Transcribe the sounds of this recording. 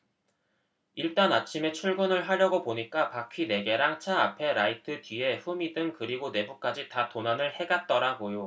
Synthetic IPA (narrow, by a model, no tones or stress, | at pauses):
iɭt͈anat͡ɕʰime̞t͡ɕʰuɭɡunɯɭɦaɾjʌɡopoɲik͈apakʰine̞ɡe̞ɾaŋt͡ɕʰaapʰe̞ɾaitʰɯtɥie̞ɸumidɯŋkɯɾiɡone̞buk̚k͈ad͡ʑitatonanɯɭhe̞ɡat̚t͈ʌɾaɡojo